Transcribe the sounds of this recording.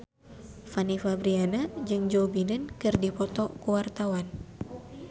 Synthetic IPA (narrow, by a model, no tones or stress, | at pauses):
fanifabɾianad͡ʒɨŋd͡ʒobinənkɨrdipɔt̪ɔkuwart̪awan